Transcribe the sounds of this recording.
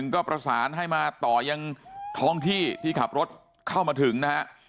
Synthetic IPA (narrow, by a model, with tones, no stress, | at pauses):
ŋkɔː˥˩pɾa˧saː˩˦nɦa˥˩jmaː˧t̪ɔː˨˩ja˧ŋt̪ʰɔː˧˥ŋt̪ʰiː˥˩t̪ʰiː˥˩kʰa˨˩p̚ɾo˦˥t̪̚ | kʰa˥˩wmaː˧t̪ʰɯ˩˦ŋna˦˥ha˦˥ʔ